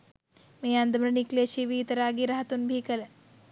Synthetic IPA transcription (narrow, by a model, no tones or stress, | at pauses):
meand̪əmɾɐnikleɕiʋiːt̪ɐɾaːɡiːɾaɦɐt̪uːnbʱiːkəle